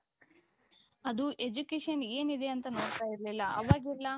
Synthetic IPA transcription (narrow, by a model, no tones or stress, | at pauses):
ɐd̪uʔe̞d͡ʒukeːʂɐne̞ːnid̪e̞ɐnt̪ɐno̞ːɽt̪aːjiɾlilːɐʔɐ̰ʋaːɡilːɐ